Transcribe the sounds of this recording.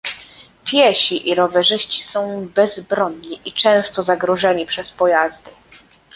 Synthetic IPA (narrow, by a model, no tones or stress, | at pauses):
pʲjɛɕiʔiɾɔvɛʐɘɕt͡ɕi̥sɔ̃w̃bɛzbɾɔɲːiʔit͡ʂɛ̃w̃st̪ɔzaɡɾɔʐɛɲipʂɛspɔjazd̪ɘ